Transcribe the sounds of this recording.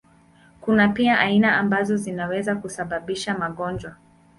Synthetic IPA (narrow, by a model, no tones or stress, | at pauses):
kunapiaʔainaambazɔzinawɛzakusaɓaɓiʃamaɠɔnd͡ʒwa